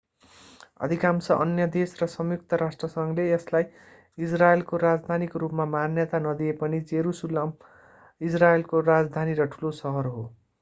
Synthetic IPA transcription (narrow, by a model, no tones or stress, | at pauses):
ʌ̰d̪ʱikamsʌʔʌnjʌd̪esrʌsʌmjuk̚t̪ʌɾasʈrʌsʌŋleeslaj | israelkoɾad͡zd̪ʱanikrupmamanjʌt̪anʌd̪iepʌnid͡zeɾusulʌm | israelkorad͡zd̪ʱaniɾʌʈʰulosʌɦʌrɦo